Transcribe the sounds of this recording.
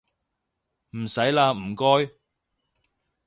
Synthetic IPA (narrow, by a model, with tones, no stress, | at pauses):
m̩˨˩sɐ˨˥jlaː˧m̩˨˩kɔː˥j